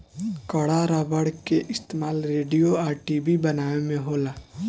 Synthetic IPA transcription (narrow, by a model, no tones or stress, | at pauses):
kəɽaɾabəɽkeʔɪst̪eːmaːlɾeːɖijoaːɾʈiːbʱibɐnaːemẽɦoːlaː